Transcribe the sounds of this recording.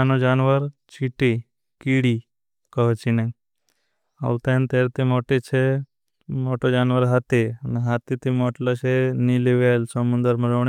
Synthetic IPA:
anod͡ʒanʋəɾt͡ʃiʈi | kiɽi | kəɦt͡ʃine | a̰wt̪ent̪eɾt̪emoʈet͡ʃʰe | moʈod͡ʒanʋəɾɦat̪enɦat̪it̪imɔʈlaɕeniliʋelsəmund̪əɾməɾəʋɳ

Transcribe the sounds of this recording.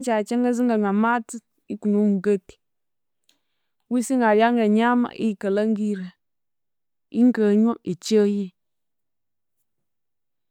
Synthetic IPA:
t͡ʃat͡ʃeŋɡəzɨŋɡaŋamatɨ | ikunumuɡəti̥ | wisiŋaɾjaŋɡəɲama̰ʔḭkələŋɡiɾə | ḭŋkəɲoʔit͡ʃəji

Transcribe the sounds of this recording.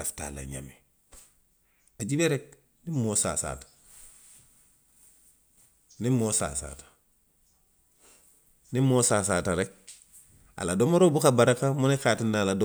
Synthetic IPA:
asta̰la̰ɲa̰me | aɟibeɾek̚ | nimosa̰ːsa̰tḁ | nimosa̰sa̰ːtḁ | nimoːsaːsaːtaɾek̚ | a̰ladomoɾobukabaɾakamunekaːtinːaːlado

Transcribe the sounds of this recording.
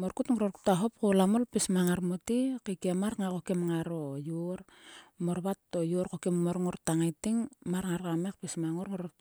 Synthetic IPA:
moɾkutŋoɾorku̥taɦop̚kolamolpismaŋaɾmotikikemaɾŋako̞kemŋaɾojuɾ | moɾβatːojoɾkokemmoɾŋoɾtaŋajtiŋmaɾŋaɾkamek̚pismaŋoɾŋoɾo

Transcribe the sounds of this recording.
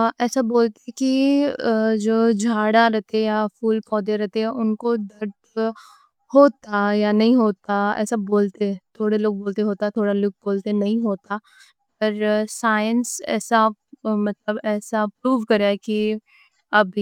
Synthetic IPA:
ʔɛːsaboːlt̪eki | d͡ʒoːd͡ʒʱaːɽaɾɛɦt̪eɛjafʰuːlpɔːd̪eɾɛɦt̪eɛ̃ʔʊnkod̪ɐɾd̪ | hoːt̪ajanɐɦĩɦoːt̪aɛ̰ːsaboːlt̪et̪ʰoːɽeloːɡ̚boːlt̪eɦoːt̪at̪ʰoːɽaloːɡ̚boːlt̪enɐɦĩɦoːt̪a | p̚əɾsaːjənsɛ̰ːsamɐt̪ləbɛːsapɾuːʋkɐɾaki | ɐb

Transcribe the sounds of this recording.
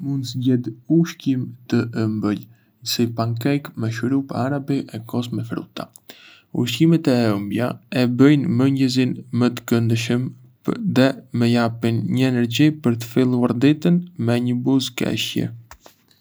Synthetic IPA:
mund̪səɟɛd̪uʃcimt̪əʔəmbəʎ | əsipaŋkɛjkmɛʃɾupaɾabiʔɛkɔsmɛfɾṵt̪a̰ | ṵʃcimɛt̪ɛəmbja̰ɛbəjnməɲɟəzinmət̪ə̥kənd̪əʃəm | ðɛmɛjapinɲəɛnɛɾɟipəɾt̪ə̥filˠuaɾd̪it̪ənmɛɲəbuzkɛ̰ʃjɛ̰

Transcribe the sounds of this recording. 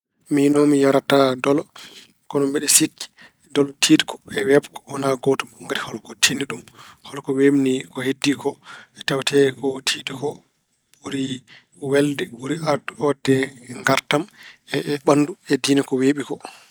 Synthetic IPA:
minɔmijaɾatadɔlɔ | kɔnɔmbɛɗɛsikːi̥ | dɔltʰiːdi̥kʰɔ̥ɛwɛbkɔ̥ɔnaɡɔtɔuŋɡatihɔlɔkɔtʰiniɗumhɔlɔkɔwemnikɔhedːikɔɛtɛwtʰɛkɔtʰiːdikɔ | ɓuɾi | wɛldɛuɾiaduɔdɛŋɡaɾtamɛɓanduɛdinɛkɔweɓikɔ

